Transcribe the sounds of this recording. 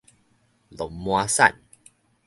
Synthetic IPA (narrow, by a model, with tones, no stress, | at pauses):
lo˨˦mmwa˧sa̰˥˨n